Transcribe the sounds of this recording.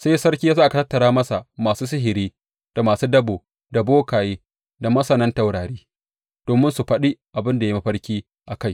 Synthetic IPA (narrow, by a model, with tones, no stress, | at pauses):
sa˦jsɐ˦rkʲi˦ja˦aː˦ʔa˨ka˨tɐ˦tːɐ˨ɾaː˦mɐ˦sa˨ʔmaː˨suː˦s̬ɪ˦ɦɪ˨ɾiː˦ | d̥a˨maː˨suː˦dɐ˦boː˨ | da˨boː˦kaː˨jeː˦ | da˨mɐ˦sɐ˨nɐ˦nta˨wɽaː˨ɽiː˦ | d̥oː˨mɪ˦nsu˨ɸɐ˦ɗi˦ʔa˨bɪ˦nda˨ja˦ma˦ɸɐ˦ɽkʲiː˦ | ʔa˨ka˦j